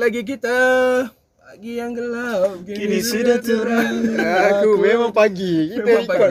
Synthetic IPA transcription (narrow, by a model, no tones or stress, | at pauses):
laɡik̬it̪a | paɡijaŋɡəlakinisidat͡ʃuɾaakumemaŋpaɡikit̪aik